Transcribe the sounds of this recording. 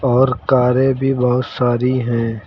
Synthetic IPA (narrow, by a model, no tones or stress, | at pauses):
ɔːɾkaːɾẽbʱibɔɦʊt̪saːɾiɦɛ̃ː